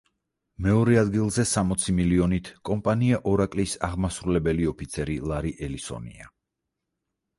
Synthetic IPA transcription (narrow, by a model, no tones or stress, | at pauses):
mɛɔɾɛad̪ɡilˠzɛsamɔt̪sʰimiliɔnit̪ʰkʼɔmpʼaniaʔɔɾakʼlisa̰ʁmasɾulɛbɛliɔpʰit̪sʰɛɾilˠaɾiʔɛlisɔ̰nḭa̰